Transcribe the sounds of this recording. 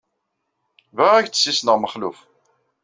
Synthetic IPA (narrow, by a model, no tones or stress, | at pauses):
væʁæçt͡sːə̥sːisnəʁməχluf